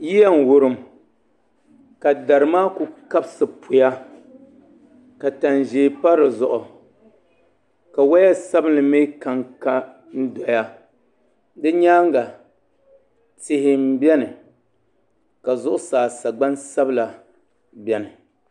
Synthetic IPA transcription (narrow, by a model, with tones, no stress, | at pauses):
ji˦ja˦n̩˨wʊ˦ɾɨ˦m | ka˨da˨ɾɨ˨maː˦ku˨ka˦bsɨ˨pʰʊ˨ja˦ | ka˨ta˨nʒeː˨pa˦ɾɨ˨zʊ˨ʔʊ˨ | ka˨wa˦jɛ˦sa˦bɨ˦nlɨ˨me˦ka˦ŋka˦ | n̩˦dɔ˨˦ja˦ | dɨ˦ɲaː˦ŋ˦ɡa˨ | tɪ˦hɪ˦m̩˦bɛ˦nɨ˨ | ka˨zʊ˦ʔʊ˦saː˨sa˨ɡ͡ba˦nsa˦bɨ˦la˨ | bɛ˦nɨ˨